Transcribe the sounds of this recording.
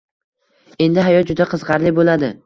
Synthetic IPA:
e̞nd̪ɪɦajɒt̪̚d͡ʒʊd̪aqʰɨzʁɑɾlɪbolad̪ɪ

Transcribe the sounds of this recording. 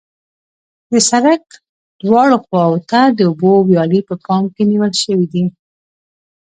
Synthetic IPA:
d̪əsaɾak | d̪̥wɑɽoxwɑwot̪ad̪əʊbowjɑlipəpɑmkeniwəlʃəwid̪i

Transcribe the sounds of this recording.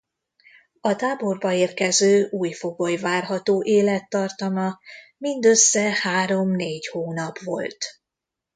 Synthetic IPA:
ɒt̪aːbo̞rbɒeːrkɛzøːuːjfo̞ɡojvaːrɦɒt̪oːʔeːlɛt̪ːɒrt̪ɒmɒ | mind̪øsːɛhaːɾo̞mneːɟhoːnɒpʋo̞̰lt̪

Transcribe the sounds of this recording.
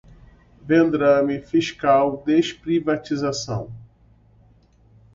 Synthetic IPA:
vẽnd̪ɾɐ̃mifiʃkawd̪eʃpɾivat͡ʃizasɐ̰̃w̃

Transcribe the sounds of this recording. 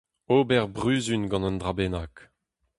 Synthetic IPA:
obɛʁbʁyːzynɡɑ̃nənd̪ʁabeːnak

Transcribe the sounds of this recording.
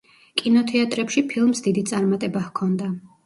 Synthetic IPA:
kʼinɔt̪ʰɛat̪ʼɾɛpʃipʰilˠmsd̪id̪it̪sʼaɾmat̪ʼɛbahkʰɔnd̪a

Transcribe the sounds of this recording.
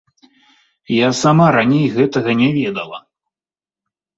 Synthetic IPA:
jasamaɾanʲejɣɛt̪ɐɣɐnʲɛvʲɛd̪ɐlˠɐ̰

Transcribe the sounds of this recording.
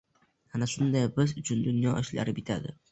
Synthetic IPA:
hanaʃʊnd̪ajbɪzʊt͡ʃʰʊnd̪ʊnjɒʔɪʃla̰ɾɪbɪt̪ʰad̪ɪ

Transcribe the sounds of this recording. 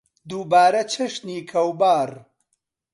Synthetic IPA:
d̪uːbaːɾɐt͡ʃʰɐʃniːkʰɐwbaːɾ

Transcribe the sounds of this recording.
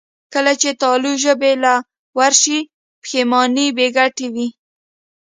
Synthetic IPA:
kəlat͡ʃet̪ɑluʒəbela | waɾʃi | pxemɑnibeɡaʈewi

